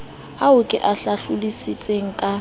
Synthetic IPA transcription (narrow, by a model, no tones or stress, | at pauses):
aʊkʼɪʔaɬaɬʊlisit͡sʼeŋ̩kʼa